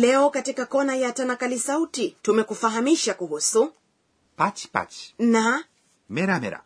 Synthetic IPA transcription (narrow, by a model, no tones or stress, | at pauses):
lɛɔkatikakɔnajatanakalisautitumɛkufaɦamiʃakuɦusu | pat͡ʃi̥pa̰t͡ʃi̥na | mɛɾamɛ̰ɾa̰